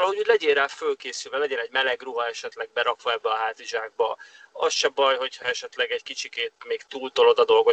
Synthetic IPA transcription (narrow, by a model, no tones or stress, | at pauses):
ɒlɒɦo̞ɟuːɟʲlɛɟeːraːfølkeːsylvɛlɛɟɛnɛɟmɛlɛɡruɦɒɛʃɛt̪lɛɡ̚bɛɾɒkʋɒɛbːɛɒɦaːt̪iʒaːɡ̚bɒɒsʃɛbɒjɦo̞chɒɛʃɛt̪lɛɡɛɟkit͡ʃikeːt̪meːkt̪uːlt̪olod̪ɒd̪o̞lɡo̞